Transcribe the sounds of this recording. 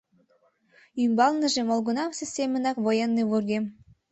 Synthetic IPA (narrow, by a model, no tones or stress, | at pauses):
ymbɑlnə̆ʒemolɣunɑmsʲesʲemʲə̆nɑkβojenːeβurɡem